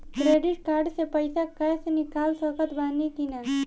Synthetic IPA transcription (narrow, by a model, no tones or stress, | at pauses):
kɾeɖɪʈ̚kaːɾɖsepəjsakəjsnikaːlsəkət̪baːnik̪ina